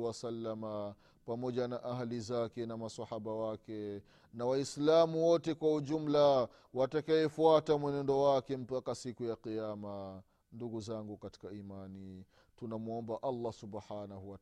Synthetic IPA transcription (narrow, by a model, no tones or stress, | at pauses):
wasalːama | pamɔʄanaʔaɦalizakɛnamasahaɓawakɛ | nawaislamuwɔtɛkwauʄum̩la | watakawɛfuatamwɛnɛndɔwakɛm̩pakasikujaqijama | nduɡuzaŋɡukati̥kaimani | tunamuɔmbaʔalːasubħanahuwa